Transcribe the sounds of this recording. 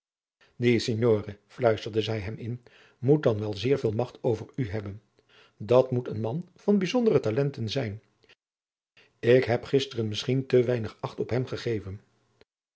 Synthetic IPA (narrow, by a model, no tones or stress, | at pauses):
diseɲjoːrəflœɥstəɹdəzɛjɦɛmɪn | mut̚dɑnʋɛlˠzɪːɹvɪːlˠmɑχtʰowvəɹyɦɛbən | dɑtmutənmɑn | v̥ɑnbizɔndərətalɛntənzɛjn | ɪkɦɛpχɪstərənmɪsχintəʋɛjnəχɑχtɔpɦɛmχəχejvən